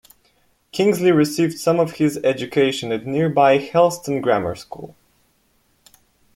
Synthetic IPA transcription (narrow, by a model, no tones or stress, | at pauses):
kʰɪ̃ŋzliɹɨsivd̥sʌ̃mʌv̥ɪzɛd͡ʒɨkʰeɪʃɨ̃nɨtⁿnɪɹbaɪhɛlˠstə̃n̩ɡɹæmə̰˞skṵlˠ